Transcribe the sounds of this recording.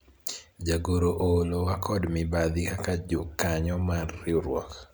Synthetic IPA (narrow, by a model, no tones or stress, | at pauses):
d͡ʒaɡoɾoʔolowakʰɔdmɪbad̪ɪkakad͡ʒʊkːaɲɔmarːɪoɾwɔ̰k